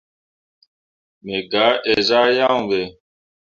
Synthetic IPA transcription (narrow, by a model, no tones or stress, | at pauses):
meɡaːʔeːzaːjaːũwe